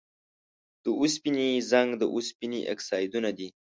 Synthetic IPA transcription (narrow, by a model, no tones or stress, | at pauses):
d̪̥əuspinizaŋɡd̪əʔuspiniʔḛksaːjd̪unad̪i